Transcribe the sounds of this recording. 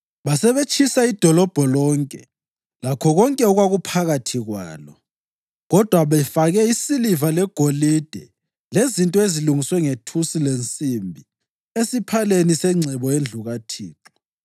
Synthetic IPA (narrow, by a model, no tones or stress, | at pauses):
βasɛβet͡ʃʰisaid̥ʱɔlɔb̥ʱɔlɔŋkʼɛ̰ | lakʰɔɣɔŋkʼɛɔɣwaɣupʰaɣatʰiɣwa̰ːlɔ | ɣɔd̥ʱwaβɛfaɣɛisilivalɛɡ̥ʱolid̥ʱɛ | lezintʼɔeziluŋiswɛŋetʰusilent͡sʼimbʱi | esipʰalenisɛŋ͡ǀʱɛβɔend͡ɮʱuɣatʰiːǁu